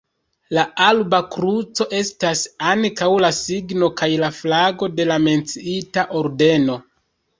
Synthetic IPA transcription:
laalbakɾut͡so̞ʔe̞stasaŋkawlasiɡno̞kajlaflaɡo̞de̞lame̞nt͡siitaʔo̞ɾde̞no̞

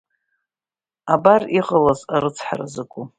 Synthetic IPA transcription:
abariqʼəlazaɾɨt͡sʰħa̰ra̰zɨkʷʼu

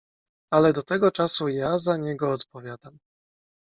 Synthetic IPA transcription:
alɛd̪ɔt̪ɛɡɔt͡ʂasujazaɲɛɡɔːt̪pɔvʲjad̪am

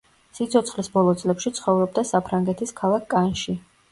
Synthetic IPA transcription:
sit̪sʰɔt̪sχlisbɔlˠɔt̪sʼlɛpʃit̪sʰχɔvɾɔb̚d̪asapʰɾaŋɡɛt̪ʰiskʰalˠakʰkːʼanʃi

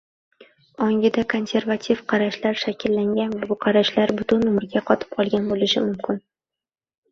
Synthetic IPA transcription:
ɒŋɡʲɪd̪akʰo̞nsʲe̞ɾvat̪ʰifqʰɑɾaʃlaɾʃakʲʰɪlːaŋɡʲanvabʊqʰɑɾaʃlaɾbʊt̪ʊnʊmɾɡʲaqʰɒt̪ʰɪ̥p̚qʰɒlˠɡʲanbolɪʃɪmʊmkʲʰɪn

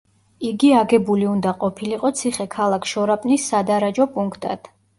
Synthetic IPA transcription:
iɡiaɡɛbuliund̪aqʼɔpʰiliqʼɔt̪sʰiχɛkʰalˠakʰʃɔɾapʼnisːad̪aɾad͡ʒɔpʼuŋkʰt̪ʼa̰d̪̥

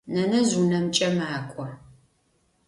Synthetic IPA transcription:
nɐnɐzunɐmt͡ʃʼɐmaːkʷʼɔ

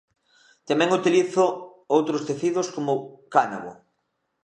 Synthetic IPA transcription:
t̪amɛ̃ŋut̪iliθʊ | owt̪ɾʊst̪eθiðʊskomʊkanaɣʊ̰

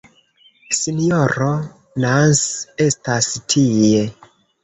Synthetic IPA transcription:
sinjoɾo | nanse̞stastʰije̞

